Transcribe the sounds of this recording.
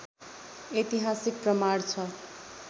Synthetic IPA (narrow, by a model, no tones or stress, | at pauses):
et̪iɦasik̚prʌmart͡sʰʌ